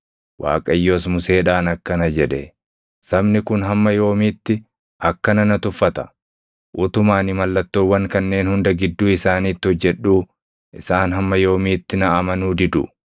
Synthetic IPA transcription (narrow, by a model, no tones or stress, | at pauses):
wʔa̰ːkʼɐjːo̞ːsmʊse̞ːᶑaːnɐkːɐnɐd͡ʒɛᶑɛ | sɐbnɪkʊnɦɐmːɐjo̞ːmiːt̪ːɪ | ʔɐkːɐnɐnɐt̪ʊfːɐt̪ɐ̥ | ʔʊt̪ʊmaːnɪmɐlːɐt̪ːoːwːɐŋkɐnːe̞ːnhʊnd̪ɐɡɪd̪ːuːɪsaːniːt̪ːɪhɔd͡ʒːɛᶑːuː | ʔɪsaːnɦɐmːɐjo̞ːmiːt̪ːɪnɐɐmɐnuːd̪ɪd̪ʊ